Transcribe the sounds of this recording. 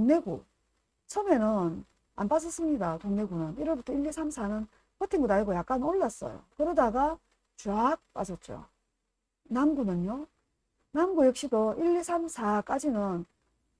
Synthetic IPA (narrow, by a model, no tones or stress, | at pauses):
koŋne̞ɡṵ | t͡ɕʰʌme̞nɯn | a̰npas̬ʰʌs͈ɯmɲidakoŋne̞ɡunɯniɾʌɭbutʰʌiʎːisʰamsʰanɯn | kʌtʰiŋɡudaiɡojak̚k͈anoɭːas͈ʌ̰jo̰kɯɾʌdaɡa | t͡ɕuak̚p͈a̰d͡ʑʌt̚t͡ɕ͈o̰ | namɡunɯɲjo | namɡujʌkɕ͈idoʔiʎːisʰamsʰak͈ad͡ʑinɯn